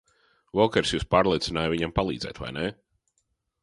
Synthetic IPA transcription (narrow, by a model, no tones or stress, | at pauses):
vɔkɛɾsjuːspaːɾlˠiɛt̪sinaːjviɲampalˠiːd̪zɛ̰ːt̪va̰jnɛ